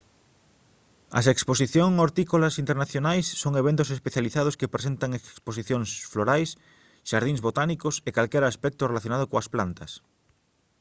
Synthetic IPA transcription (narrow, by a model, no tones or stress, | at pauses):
ɐ̰seksposiθjoŋoɾt̪ikolɐsint̪eɾnaθjonajsːoŋeβent̪ʊsespeθjaliθaðʊskepɾes̬ẽnt̪aŋekkspos̬iθjoŋsfloɾajs | ʃaɾðĩŋzβot̪anikosekalkɛɾaːspɛk̚t̪ʊrelaθjonaðokoɐsplant̪ɐs